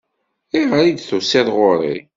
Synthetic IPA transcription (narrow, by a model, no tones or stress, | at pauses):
iʁəɾid̪θusæðʁoɾˤḭ